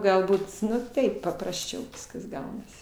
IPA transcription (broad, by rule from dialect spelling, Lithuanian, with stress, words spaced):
ɡɐlˠˈbuːt ˈnʊ ˈtɐɪp pɐprɐsʲˈt͡ʃʲɛʊ ˈʋʲɪskɐs ˈɡɐʊnɐsʲɪ